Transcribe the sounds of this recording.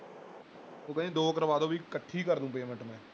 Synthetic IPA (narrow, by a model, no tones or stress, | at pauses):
t̪oːkɛ̃d͡ʒiːd̪oːəkɾʋaːd̪õːbiːkəʈʰːiːkəɾd̪ũːpeːmɛ̃ɳʈmɛ̃ː